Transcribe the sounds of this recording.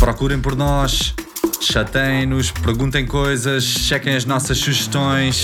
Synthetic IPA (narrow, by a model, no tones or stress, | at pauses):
pɾɔkuɾɐ̃j̃pɔɾnɔʃ | ʃɐt̪ɐ̃j̃nuʃpɾɣũnt̪ɐ̃j̃kojzɐʃːɛkɐ̃j̃ɐʒnɔsɐʃsuʒɨʃt̪õj̃ʃ